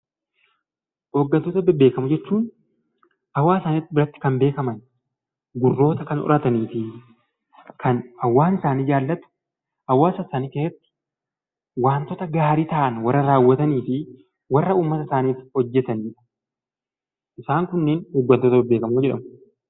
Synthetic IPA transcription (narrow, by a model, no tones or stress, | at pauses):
oːɡːɐnt̪oːt̪ɐbɪbe̞ːkɐmʊd͡ʒɛt͡ʃːuːn | ɐwːaːsaːnit̪ːɪbɪɾɐt̪ːɪ̥kɐmbe̞ːkɐmɐn | ɡʊrːo̞ːt̪ɐkɐnʔɔ̰ɾʔɐt̪ɐniːfɪ | kʰɐnɐwːaːnɪsaːniːd͡ʒaːlːɐt̪ʊ̥ | ɐwːaːsɐsaːniːkeːhɐt̪ːɪ̥ | waːnt̪ɔt̪ɐɡaːɾit̪ɐʔɐnwɐrːɐɾaːwːɐt̪ɐniːfɪ | wɐrːɐuːmːɐt̪ɐsaːniːfɪ̥hɔd͡ʒːɛt̪ɐniːᶑɐ | ʔɪsaːŋkʊnːeːnoːɡːɐnt̪oːt̪ɐbɪbe̞ːkɐmːd͡ʒɛᶑɐmʊ